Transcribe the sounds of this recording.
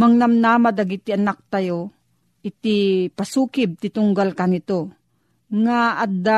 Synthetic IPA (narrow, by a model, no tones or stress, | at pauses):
maŋnamnaːmad̪ɐɡɪt̪ɪanak̚t̪ajo | ʔɪt̪ɪpasuːkɪb̚t̪ɪt̪ʊŋɡalkanɪt̪o | ŋaad̪a